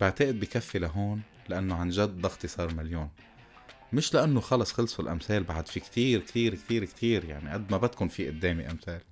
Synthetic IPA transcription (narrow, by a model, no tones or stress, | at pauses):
b̥ɪʕt̪aʔɪd̪̚bikafːilaɦoːn | laʔanːoʕanʒad̪ːɑxt̪isˤɑːɾˤmaljoːn | mɪʃlaʔanːoxɑlɑsˤxɪlsˤʊlʔa̰mθeːlbaʕd̪fikt̪iːɾkt̪iːɾkt̪iːɾkt̪ʰiːɾjaʕniʔad̪ːmabat̪kʊnfiʔʊd̪ːeːmiʔa̰mθeːl